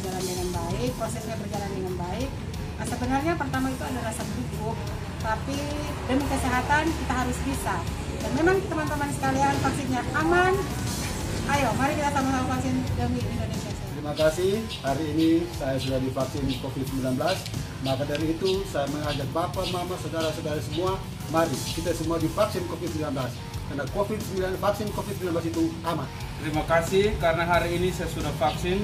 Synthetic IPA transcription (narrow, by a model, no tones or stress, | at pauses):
d͡ʒalandəŋanbaɪk̚pɾosɛsɲabərd͡ʒalandəŋanbaɪk̚ | asəbənarɲapərt̪amait̪uadaɾasat̪ɾukʊk̚ | t̪api | dəmikəsiɦat̪ankit̪aɦaɾʊsbisa | danmemaŋt̪əmant̪əmansə̥kaliaŋfaksɪnɲaʔaman | ʔajomaɾikit̪at̪amataafaksɪndəmiindonesiasat̪ɾimakasɪh | haɾiːnisajasudahdifaksɪnkofid̪̚səmbilanbəlas | makadaɾiːt̪usajaməŋad͡ʒak̚bapamamasadaɾasodaɾasəmua | maɾikit̪asəmuadifaksɪnkofit̪̚səmbilanbəlas | karnakofit̪̚səmbilanfaksɪnkofid̪̚səmbilanblasit̪uʔaman | t̪əɾimakasihkaɾənaɦaɾiːnisajasudahfaksɪn